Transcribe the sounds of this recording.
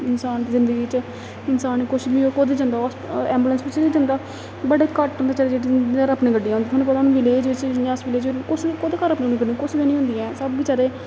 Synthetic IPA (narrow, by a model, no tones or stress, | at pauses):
ɪnsaːnt̪ezɪnd̪əɡiːt͡ʃ | ɪnsaːniːkʊʃbiːoːkod̪eːd͡ʒãːnd̪aːɔsɛ̃ːmbulənsʋɪt͡ʃid͡ʒãːnd̪aː | bəɽeːkəʈɦnd̪aːt͡ʃaːɾeːd͡ʒeːʈiəɾəpnẽːɡəɖːiːãːnd̪it̪ʰɦːnũːp̬ət̪anũːʋɪleːd͡ʒʋɪt͡ʃãːsʋɪleːd͡ʒkʊt͡ʃkoːd̪eːkəɾəpnẽɡəɖikʊʃd͡ʒeːnĩːɦʊ̃ːnd̪iːɛ̃ːsəbʋiːt͡ʃaːɾeː